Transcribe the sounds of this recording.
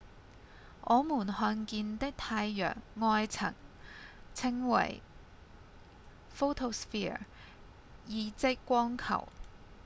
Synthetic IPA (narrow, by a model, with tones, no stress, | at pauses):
ʔɔː˨˧muː˨˩nhœː˧nkiː˧nt̪ɪ˥k̚t̪ʰaː˧jːœ̰ː˨˩ŋːɔː˧jt͡sʰɐ̰˨˩ŋ | t͡sʰɪ˧˥ŋwɐ̰˨˩j | fo˥wt̪ʰo˧sfi˥ | jiː˨˧t͡sɪ˥kːʷɔː˥ŋkʰɐ̰˨˩w